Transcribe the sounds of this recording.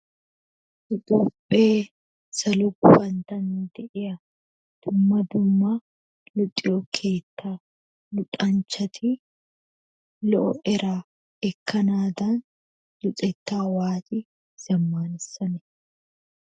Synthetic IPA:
ʊt̪ʼʊpʼːeː | sɐlʊɡʊfɐnt̪ɐnd̪ɛʔɛɐ | d̪̥ʊmːɐd̪ʊmːaː | lʊt̪ʼːɪjokʰe̞ːt̪ːaː | lʊt̪ʼɐnt͡ʃɐt̪ʰi | lɔʔɔʔɛɾaː | ɛkʰːɐnaːd̪an | lʊtʼɛt̪ːaːwaːt͡ʃʼi | z̥ɐmːaːnɪsɐnɛ̥

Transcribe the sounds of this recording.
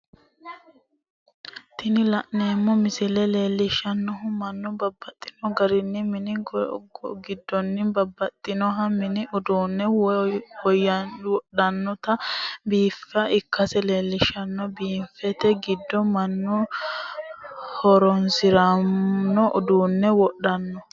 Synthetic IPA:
t̪ɪnɪlɐʔne̞ːmːɔmɪsɪlɛle̞ːlːɪʃːɐnːɔɦʊmɐnːʊbɐbːɐt̪ʼːɪ̥nɔɡɐɾɪnːɪmɪnɪɡɡɪd̪ːɔnːɪbɐbːɐt̪ʼːɪnɔɦɐmɪnɪʔʊd̪uːnːɛwɔjːɐwɔɗɐnːɔt̪ɐbiːfːɐʔɪkːɐsɛle̞ːlːɪʃɐnːɔbiːmfɛt̪ɛɡɪd̪ːɔmɐnːɔ | hɔɾɔnsɪɾɐnɔʔʊd̪uːnːɛwɔɗɐnːɔ

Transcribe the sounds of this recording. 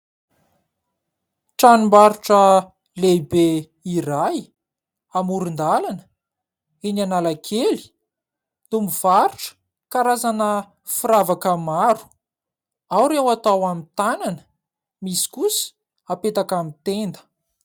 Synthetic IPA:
ʈ͡ʂanimbaɾuʈ͡ʂə | lebe | iɾaj | amuɾund̪alanə̥ | enanalakʰeli̥ | numiv̥aɾuʈ͡ʂə̥ | kaɾazanə | fiɾavakamaɾu̥ | awɾewat̪awamit̪ananə̥ | misi̥kusi̥ | apet̪akamit̪end̪ə̥

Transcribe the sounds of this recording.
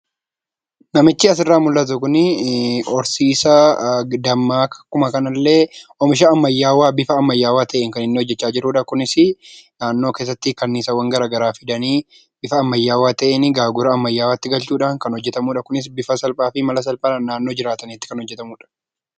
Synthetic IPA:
nɐmɪt͡ʃːɪɐsɪrːaːmʊlːɐt̪̬ʊkʊnɪɔɾsiːsɐd̪ɐmːaːkɐ̥kʊmɐkɐnɐlːe̞ːʔɔmɪʃ̬ɐɐmːɐjːaːwaːbɪfɐːmːɐjːaːwaːt̪ʰɐʔeːŋkɐnɪnːɪhɔd͡ʒːɛt͡ʃːaːd͡ʒɪɾuːᶑɐkʊnɪsɪnaːnːo̞ːke̞ːs̬ːɐt̪ːɪkɐnːiːsɐwɐŋɡɐɾaːɡɐɾaːfɪd̪ɐniː | bɪfɐːmːɐjːaːwaːt̪ɐʔenɪɡaːɡʊɾɐɐmːɐjːaːwaːt̪ːɪɡɐlt͡ʃuːᶑaːŋkɐnhɔd͡ʒːɛt̪ɐmuːᶑɐkʊnɪs̬bɪfɐsɐlpʼaːfɪmɐlɐs̬ɐlpʼanːaːnːo̞ːd͡ʒɪɾaːt̪ɐniɪt̪ːɪ̥kɐnhɔd͡ʒːɛt̪ɐmuːᶑɐ̥

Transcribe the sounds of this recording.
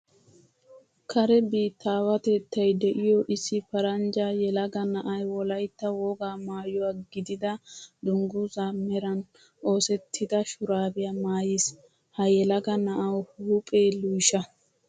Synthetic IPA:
kʰɐɾɛbiːt̪ːaːwɐt̪eːt̪ːɐjd̪ɛʔɪjɔʔɪsːɪpɐɾɐnd͡ʒajɛlɐɡɐnɐʔɐjwɔlɐjt̪ːɐwɔɡaːmaːjɔwaɡɪd̪ɪd̪ɐd̪ʊŋɡʊzamɛɾɐn | ʔo̞ːsɛt̪ʰːɪd̪ɐʃʊɾaːbɪjamaːjɪs | hɐjɛlɐɡɐnɐʔɐwlʊpʼeːlʊjʃɐ

